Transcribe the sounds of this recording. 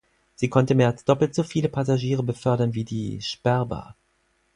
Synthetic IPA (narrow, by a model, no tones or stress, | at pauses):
z̥iːkʰɔntəmeːɐalsd̥ɔpl̩tz̥ofiːləpʰazaʒiːʁəbəfœɐdɐnviːdḭːʃpɛɐbɐ̰